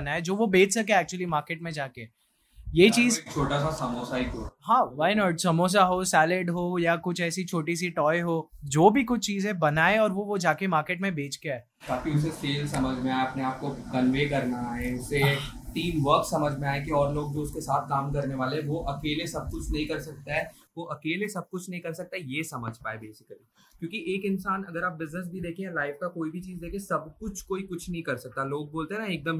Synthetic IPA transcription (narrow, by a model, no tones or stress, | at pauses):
ɐnaːed͡ʒoːʋobʱeːt͡ʃsɐkeɛːk̚t͡ʃʊəlimaːɾkeːʈmẽd͡ʒaːke | jeːt͡ʃiːzk̚t͡ʃʰoːʈasasɐmoːsaikoːɦãːʋaːɪnɔːʈsɐmoːs̬aɦosɛːlɪɖɦoːjakʊt͡ʃʰɛːsit͡ʃʰoːʈis̬iʈɔːjɦoːd͡ʒoːbʱikʊt͡ʃʰt͡ʃiːzẽbɐnaːeɔːɾʋoʋod͡ʒaːkemaːɾkeːʈmẽbʱeːt͡ʃɡeaɛ | k̪aːkiʊs̬eseːlsɐməd͡ʒʱmẽaːeɐpneaːp̚kokɐnʋeːkɐɾnaẽʊset̪iːmʋəɾksɐməd͡ʒʱmẽaːẽkiɔːɾloːɡ̚d͡ʒoːʊskesaːt̪ʰkaːmkɐɾneʋaːleɦɛ̃ʋoʔɐkeːlesɐb̚kʊt͡ʃʰnɐɦĩkɐɾsɐk̚t̪aɦɛː | ʋoʔɐkeːlesɐb̚kʊt͡ʃʰnɐɦĩkɐɾsɐk̚t̪aɛjeːsɐməd͡ʒʱpaːebeːsɪ̥kəli | kjõːkiʔeːkɪnsaːnɐɡəɾaːp̚bɪznəs̬bʱid̪eːkʰiẽɛ̃laːɪfkakoːibʱit͡ʃiːzd̪eːkʰiẽsɐbkʊt͡ʃʰkoːikʊt͡ʃʰnɐɦĩkɐɾsɐk̚t̪aloːɡ̚boːlt̪eɦɛnaeːk̚d̪əm